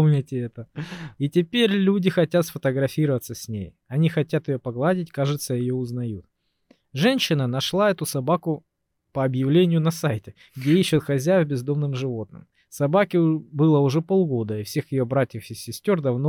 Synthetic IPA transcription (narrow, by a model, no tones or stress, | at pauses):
mnʲɪtʲɪɛt̪əitʲɪpʲeɾʲlʲudʲɪxɐtʲat̪sfət̪əɡɾɐfʲiɾəvət̪səsʲnʲḛj | ɐnʲixɐtʲat̪jɪjopɐɡlˠadʲɪtʲkaʐɨt̪səjɪjoʊznɐjut̪̚ | ʐɛnʲɕːɪnənɐʂlˠaɛt̪ʊsɐbakʊ | pəɐbjɪvlʲenʲɪjʊnɐsajtʲɪ | ɡdʲeiɕːʊt̪xɐzʲæjəvʲbʲɪzd̪o̞mnɨmʐɨvo̞t̪nɨ̰m | sɐbakʲɪbɨlˠəʊʐɛpolˠɡo̞d̪əifsʲe̞xjɪjo̞bɾatʲjəfɪsʲɪsʲtʲo̞rd̪ɐvno